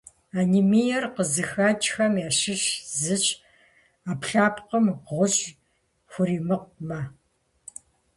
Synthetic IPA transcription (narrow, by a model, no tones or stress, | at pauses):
aːnimijɛrqəzɨxaːt͡ʃʼxɐmjaːʃɨɕzɨɕʼ | aːpɬaːpqəmʁʷʊʑ | xʷʊɾiːmɨq̚ʷma